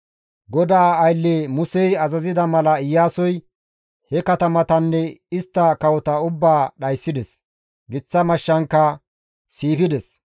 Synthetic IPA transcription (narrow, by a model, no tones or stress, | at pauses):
ɡɔd̪aːjlːemʊsɛjɐzɐzɪd̪ɐmɐlɐɪjːaːsɔj | hɛkɐt̪ɐmɐt̪ɐnːɛɪst̪ːɐkɐwɔt̪ɐʊbːaːɗɐjsːɪd̪ɛs | ɡɪt͡sːɐmɐʃːɐŋkːɐ | siːpɪd̪ɛs